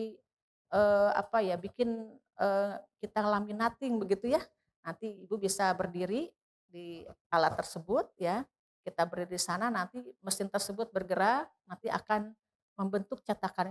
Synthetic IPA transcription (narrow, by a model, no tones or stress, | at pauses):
ʔəːa̰pajabikɪn | əkit̪aŋlaminat̪ɪŋbəɡit̪uja | nant̪iibubisabərdiɾi | dialat̪ːərsəbʊt̪̚ja | kit̪abərdiɾidisananant̪iməsɪnt̪ərsəbʊt̪̚bərɡəɾanant̪iʔa̰kan | məmbənt̪ʊk̚t͡ʃat̪akan